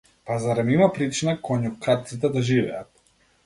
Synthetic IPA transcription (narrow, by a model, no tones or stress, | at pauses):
pazaɾɛmimapɾit͡ʃinakɔɲukat̪̚sit̪ɛd̪aʒivɛ̰at̪̚